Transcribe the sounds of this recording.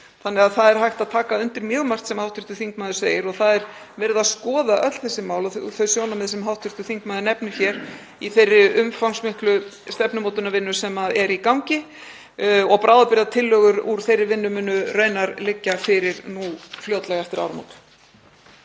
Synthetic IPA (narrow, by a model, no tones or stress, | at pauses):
θanːɛɣaðθaðɛɾ̥hajht̪aðt̪ʰaːkaʏnt̪ɪɾmjœːɣmar̥t̪sɛmhawht̪ʏɾ̥t̪ʏθiŋk̚maːðʏsveːjɪɾɔɣθaðɛɾ | vɛːɾɪðaðskɔːðaʔœt̪l̥θɛsːɪmaːwlɔθœɥsjoːwnamɛðsɛmɦawht̪ʰʏɾ̥t̪ʏ̥θiŋkmaːðʏnɛpnʏçjɛɾ | iθejrːɪʔʏmfawnsmɪhklʏst̪ɛpnʏmowt̪ʏnavɪnːʏsɛmaðɛɾikawŋcɪ | ɔɣpɾaːwðapɪɾðat̪ʰɪlːœːɣʏɾuɾ̥θejrːɪvɪnːʏmɪnːʏrœːɥnaɾlɪcːafɪɾɪɾnufljœːt̪lɛɣaɛft̪ɪɾa̰wɾamo̰wt̪